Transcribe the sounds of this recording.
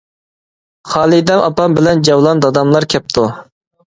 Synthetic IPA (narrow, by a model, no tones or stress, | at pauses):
χɑːlˠid̪ɛmʔɑ̰pɑmbɪlɛnd͡ʒɑwlˠɑnd̪ɑd̪ɑmlˠɑɾkʲʰɛp̚t̪ʰu